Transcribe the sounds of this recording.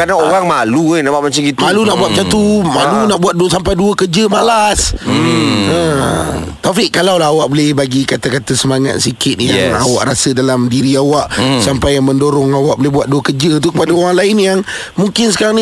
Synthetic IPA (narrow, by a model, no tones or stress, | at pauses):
kanaoɾaŋmalunabaʔmat͡ʃaŋɡit̪malunaʔbuat̪̚t͡ʃat̪umalunaʔbuat̪̚dusampajduəkərd͡ʒəmalas | ə̃ | t̪afɪʔkalawlaɦawaʔbolɪhbaɡikat̪akat̪asəmaŋa̰t̪̚sikɪt̪̚jaŋawa̰ʔɾasədalamdiɾiawaʔsampajaŋməndoɾɔŋawaʔbolɪhbuaʔ̪̚duəkərd͡ʒət̪̬ukəpadaoɾaŋlaɪnjaŋ | muŋkɪns̬ə̥kaɾaŋni